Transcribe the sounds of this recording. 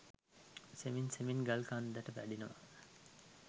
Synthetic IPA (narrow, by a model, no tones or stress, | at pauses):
seminseminɡɐlkand̪æʈəʋæɖinəʋa